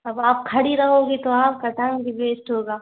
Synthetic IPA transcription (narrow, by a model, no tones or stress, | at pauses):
ɐbaːp̚kʰɐɽiɾɐɦoːɡit̪oaːp̚kɐt̪aːnbibeːsʈɦoːɡaː